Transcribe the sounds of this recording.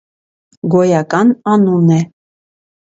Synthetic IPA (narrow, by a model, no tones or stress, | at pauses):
ɡɔjɑkɑnɑnunɛ